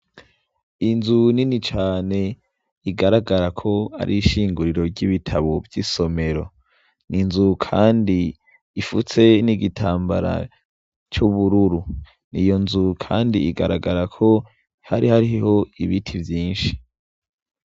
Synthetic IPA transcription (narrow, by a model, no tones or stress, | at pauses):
inzuninit͡ʃaːne̞ | iɡaɾaɡaɾakʰo̞a̰ɾʔiʃiːŋɡuɾiɾo̞ɾɟiβitʰaβovjiso̞me̞ɾo̞ | ninzukʰaːndi | ifut͡se̞niɡitʰaːmba̰ɾa̰ | t͡ʃuβuɾuɾu | nḭjo̞nzukʰaːndiːɡaɾaɡaɾakʰo̞ | haɾihaɾiho̞iβitʰivjiːnʃi̥